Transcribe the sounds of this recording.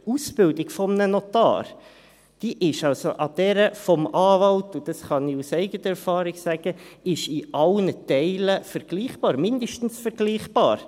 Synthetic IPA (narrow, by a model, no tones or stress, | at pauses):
usb̥ɪldɪɡfɔmnənɔtɑ̰ːɾ | d̥iʔɪʃɑlsoʔɑd̪̥ɛɾəfɔmɑːvɑltʊd̥̪ɑsχɑniusɛɪɡətəɾɛɾfɑːɾɪɡ̥sæɡ̥əɪʃɪʔɑlnətɛɪləfɛɾɡ̥liːχb̥ɑːɾmɪndəʃtn̩sfəɾɡ̥liːχb̥ɑ̰ːɾ